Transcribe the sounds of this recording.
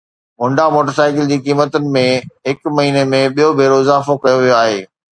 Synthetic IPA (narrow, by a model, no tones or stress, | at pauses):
mʊ̃ɳɖamoːʈəɾsaːɪkɪld͡ʑiːkiːmət̪ʊnɪ̆mẽɦɪkmɐɦiːnemẽɓijobʱeːɾoɪzaːfokɐjoʋijoaːɦeː